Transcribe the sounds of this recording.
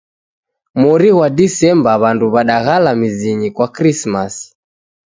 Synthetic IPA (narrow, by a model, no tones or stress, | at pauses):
mɔɾiwadisɛmbaβanduβaɗaɣalamiziɲikwakɾismasi̥